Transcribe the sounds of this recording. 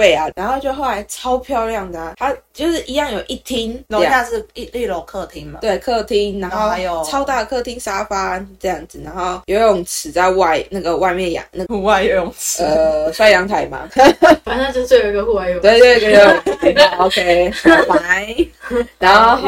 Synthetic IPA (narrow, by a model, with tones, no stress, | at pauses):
fe˥˩ɪa˨˩na˧˥nxo˥˧ʊt͡ɕjo˥˧ʊxo˥ʊ˩la˧˦ɪʈ͡ʂʰɑ˥ʊpʰjɑ˥˧ʊljɑ˥˩ŋd̪ə˩t̪ʰa˥t͡ɕjo˥˧ʊʂɻ̩˥˩ʔi˧˥jɑ˥˩ŋjo˨˩ʊʔi˥˩t̪ʰi˦˥ŋlo˨˧˥a˥˧ʂɻ̩˥˧i˥˩li˥˧lo˨˩kʰɤ˥˧t̪ʰi˥ŋm˨t̪we˥˩ɪkʰɤ˥˩t̪ʰi˦˥ŋna˧˦xo˥˩ʊ˧jo˨t͡sʰɑ˥ʊt̪a˥˩ə˩kʰɤ˥˩t̪ʰi˦ŋʂa˥fa˥ʈ͡ʂɤ˥˧jɑ˥˩ŋd͡z̩˩na˧˦nxo˥˩ʊjo˨˩i˥jʊ˨˩ŋt͡sʰɹ̩˨˩t͡sa˥˧ɪwa˥˧ɪna˥˩ɡə˩wa˥˧ɪmjɛ˥˩njɑ̰˨˩ŋna˥˩u˥˧wa˥˧ɪjo˨˩jo˨˩ŋə˩swa˥˩ɪjɑ˧˥ŋt̪ʰa˨˩˦ɪma̰˧˦fa˨˩n˥˧o˥˧˥we˥˩jo˨˩i˧ɡə˨˧xu˥˧wa˥˧ɪjo˨˧˨t̪we˥˧ɪt̪we˥˩ɪkə˧˥o˨˧˩jo˨˩˧o˨˧kʰe˥˩paa˨˧˦ɪ | na˧˥nxo˥˩ʊ